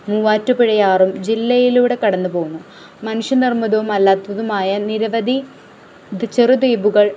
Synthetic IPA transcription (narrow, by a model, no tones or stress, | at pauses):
muːʋaːtːupiɻɐjaːrumd͡ʑilːɐjiluːɽe̞kɐɽɐnːupo̞ːɣunːu | mɐnuʂjɐnirmɐðɐʋumɐlːaːt̪ʋɐðumaːjɐniɾɐʋɐd̪ʱi | t͡ɕerud̪iːbuɣɐɭ